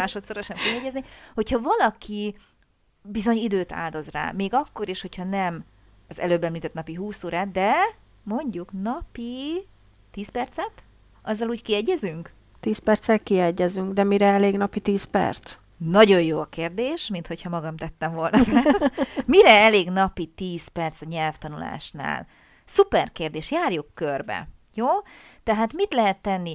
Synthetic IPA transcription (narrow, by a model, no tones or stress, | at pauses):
aːʃo̞t̪soɾɒʃɛmkiɦɛɟːɛzniho̞chɒvɒlɒkʰi | bizo̞ɲid̪øːt̪a̰ːld̪o̞zra̰ːmeːɡɒkːo̞ɾeːʃho̞chɒnɛm | ɒzɛ̰løːbːɛmlit̪ɛt̪nɒpiɦuːsoːɾaːd̪ɛ | mo̞ɲɟuknɒpi | t̪iːspɛrt̪sɛt̪ | ʔɒzːɒluːckiɛɟːɛzyŋk | t̪iːspɛrt̪sɛlkiɛɟːɛzyŋɡd̪ɛmiɾɛɛleːɡnɒpit̪iːspɛ̰rt̪s | nɒɟo̞jjoːɒkeːrd̪eːʃmint̪ho̞chɒmɒɡɒmt̪ɛt̪ːɛɱvo̞lnɒfa | miɾɛɛleːɡnɒpit̪iːspɛrt̪sɒɲɛlft̪ɒnula̰ːʃna̰ːl | supɛrkeːrd̪eːʃjaːrjukːørbɛ̰ | joːt̪ɛɦaːt̪mit̪lɛɦɛt̪ːɛnːi